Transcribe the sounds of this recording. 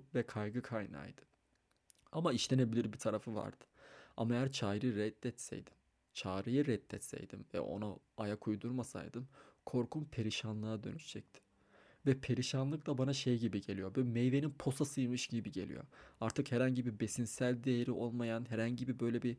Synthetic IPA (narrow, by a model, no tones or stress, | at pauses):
vɛkʰajɡɯkʰajna̰ːjd̪̥ɯ̥ | amaiʃlʲe̞ne̞bilʲiɾbit̪ʰaɾafɯva̰ɾd̪̥ɯ̥a̰maejæɾt͡ʃʰaːjɾɯɾɛt̪ːɛt̪sɛ̰jd̪im | t͡ʃʰaːɾɯjɯɾɛt̪ːɛt̪sɛ̰jd̪ḭmvɛ̰o̞̰na | ajakʰujd̪uɾmasa̰jd̪ɯmkʰo̞ɾkʰunpʰe̞ɾiʃanlˠɯad̪ø̞̰nyʃd͡ʒʰɛc̚t̪ʰɪ̥ | vɛpʰe̞ɾiʃanlˠɯklˠabanaʃejɟibiɟe̞lʲijo̞bymejve̞ninpʰo̞sasɯjɾmɯʃɟibiɟe̞̰lʲḭjo̞̰aɾt̪ʰɯkhɛɾaɲɟibibe̞sinsælʲd̪ejeɾiʔo̞lˠmajanɦɛɾaɲɟibibø̞jlʲebi